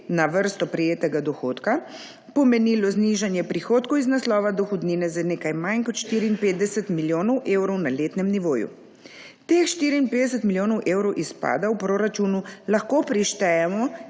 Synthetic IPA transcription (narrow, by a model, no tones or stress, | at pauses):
naʋəɾst̪ɔpɾɛjeːt̪ɛɡad̪ɔxoːt̪ka | pɔmɛniːlɔzniʒanjɛpɾixoːt̪kɔwiznaslɔːʋad̪ɔxɔd̪niːnɛzaneːkajmajnkɔt̪ʃt̪iːɾiiːnpeːd̪̚d̪ɛsɛt̪miljoːnɔwʔeːwɾɔwnaleːt̪nɛmniʋoːjṵ | t̪exʃt̪iːɾiːnped̪ɛs̬ɛt̪miljoːnɔwʔeːwɾɔwʔispa̰ːd̪awpɾoɾat͡ʃunulaxkopɾiʃt̪ɛjɛmɔ